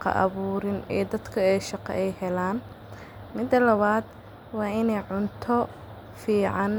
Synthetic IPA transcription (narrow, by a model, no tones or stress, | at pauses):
qɐ̰ʔɑ̰βuːɾɪnɛːd̪ɐd̪kʰɐɛːʃɑqɛ̰ʔɛjhɛlaːn | mɪd̪ːɐlɐβaːd̪ | wɑːɪnɛjʕʊnt̪ʰɔ | fiːʕɑn